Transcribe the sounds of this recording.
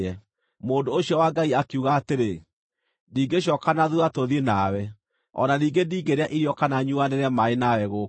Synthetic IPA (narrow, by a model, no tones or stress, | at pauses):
ɛ | moːdoːɕiɔwaɡaiakeuɣaːteɾe | niːɡeɕ̬ɔːkanaðuatoðenawɛ | ɔ̰naniːɡendiːɡeɾeaʔiɾjɔkanaɲuanɛɾeamaenawɛɣo